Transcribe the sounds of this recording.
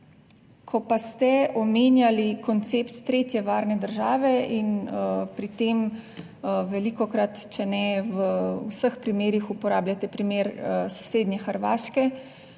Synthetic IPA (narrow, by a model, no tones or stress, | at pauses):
kʰɔpast̪ɛɔmeːnjalikɔnt̪seːpt̪ːɾeːt̪jɛʋaːɾnɛd̪əɾʒaːʋɛinpɾit̪eːm | ʋɛlikɔkɾat̪t͡ʃɛnɛʋəusəxpɾimeːɾixupɔɾaːblʲjat̪ɛpɾimeːɾso̥seːd̪nʲɛxəɾʋa̰ːʃkɛ